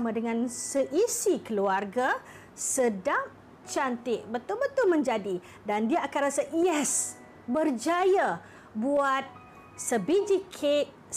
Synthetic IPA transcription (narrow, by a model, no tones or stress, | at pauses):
mãdəŋãnsəʔisikəluarɡa | sədaŋ | t͡ʃant̪ɪʔbət̪ʊlbət̪ʊlmə̃ɲd͡ʒadi | dandiaakanrasajɛs | bərd͡ʒaja | buat̪̚ | səbid͡ʒikʰeʔ